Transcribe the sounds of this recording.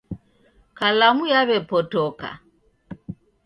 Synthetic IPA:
kalamujaβɛpɔtɔka̰

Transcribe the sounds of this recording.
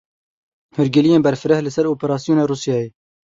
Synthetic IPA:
hʊɾɡɪlijeːnbɛɾfɨɾɛhlɨsɛɾoːpeɾɑːsijoːneːruːsjɑːjeː

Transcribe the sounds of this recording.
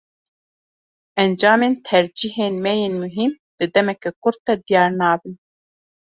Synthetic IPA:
ɛnd͡ʒɑːmeːnt̪ʰɛɾd͡ʒiɦeːnmɛjeːnmuɦim | d̪̥ɨd̪ɛmɛkɛkʊɾ̚t̪ɛd̪ijɑːɾnɑːbɨn

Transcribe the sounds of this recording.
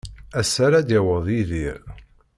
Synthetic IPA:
æsːaɾæd̪jæwəðˤiðiɾ

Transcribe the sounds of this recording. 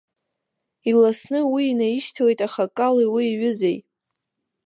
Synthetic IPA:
ilasnɨwiːnajiʃtʰawejtʼaχakʼaliwiːɥʊzej

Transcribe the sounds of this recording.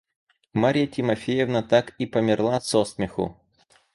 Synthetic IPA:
maɾʲɪjətʲɪmɐfʲejɛvnət̪akipəmʲɪrlˠasosmʲɪxʊ̰

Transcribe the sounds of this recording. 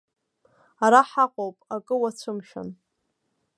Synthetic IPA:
aɾaħaqʼowpʼakʼɨwat͡ɕʷʰɨmʃᶣa̰n

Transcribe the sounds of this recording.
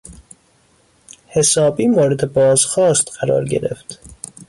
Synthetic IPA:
he̞sɒːbiːmoːɾed̪e̞bɒːzxɒːst̪ɢæɾɒ̰ːɾɟe̞̰ɾe̞̰ft̪

